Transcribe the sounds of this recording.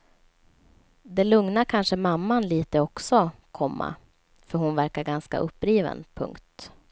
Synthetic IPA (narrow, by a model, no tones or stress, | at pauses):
d̪ɛlɵŋnaɾkʰanʂəmamːanliːt̪əɔksɔkʰɔmːa̰ | fœɾhʊnvæɾkaɾɡanska̰ʔɵpːɾiːvə̰npʰɵ̰ŋkt̪